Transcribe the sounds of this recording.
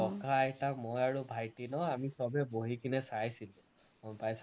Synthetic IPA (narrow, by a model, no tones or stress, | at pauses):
ɔkaɛtamɔjaɹubʱajtinɔamisɔbɛboɦikʰinɛsajsilũ | pajs